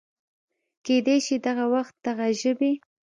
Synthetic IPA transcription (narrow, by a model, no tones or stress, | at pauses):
ked̪ejʃid̪aɣawaxt̪̚d̪aɣaʒəbe